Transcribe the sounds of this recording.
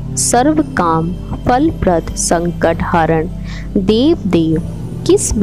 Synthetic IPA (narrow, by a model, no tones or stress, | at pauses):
sɐɾʋəkaːm | pʰɐlpɾɐd̪ʰʱsɐ̃ŋkəʈhaːɾəɳ | d̪eːʋd̪eːʋ | kɪsb